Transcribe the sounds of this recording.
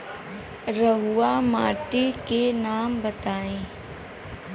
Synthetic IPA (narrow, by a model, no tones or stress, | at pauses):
ɾəɦuamaːʈikenaːmbət̪aːẽː